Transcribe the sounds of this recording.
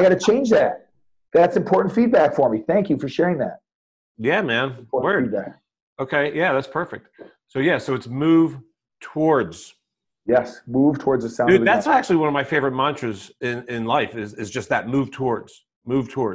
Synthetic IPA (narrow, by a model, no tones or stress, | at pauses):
aɪɡɑɾɨt͡ʃʰẽɪ̃nd͡ʒðæt̚ | ðætsɨ̃mpʰɔɹʔn̩tfid̚bækfə˞miθæ̃ŋkjɨfə˞ʃɛɹɪ̃ŋðæ̰t̚ | jæmæ̃nɔɹwɪɹid̚bæk | oʊkʰeɪjæðætspʰɜ˞fɨk̚t̚ | soʊjæsoʊɨtsmuv | tʰəwɔɹdz̥ | jɛsmuv̥tʰwɔɹdzɨsãʊ̃nnðætsæk̚t͡ʃʉl̩ˠiwʌ̃nʌvmaɪfeɪvə˞ɨt̚mɑ̃nstɹ̥ɨzɪ̃nɪ̃nlaɪfɪzɪzd͡ʒʌst̚ðɨt̚mʉv̥tʰɔɹdz̥ | mʉv̥tʰɔɹd